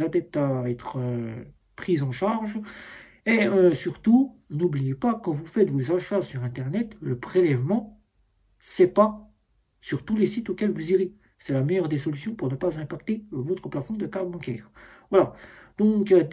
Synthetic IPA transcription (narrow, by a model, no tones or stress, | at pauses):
ad̪ɛp̚t̪aɛt̪χə | pχizɑ̃ʃaʁʒ | eøsyʁt̪u | nublijepakɑ̃vufɛt̪vozaʃasyʁɛ̃t̪ɛʁnɛt̪ləpχelɛvmɑ̃ | sɛpa | syʁt̪ulesit̪okʲɛlvuziʁe | sɛlamɛjœʁd̪esɔlysjɔ̃puʁnəpazɛ̃pakt̪evot̪χəplafɔ̃d̪əkabbɑ̃kʲɛ̰ːʁvwalad̪̥ɔ̃k̪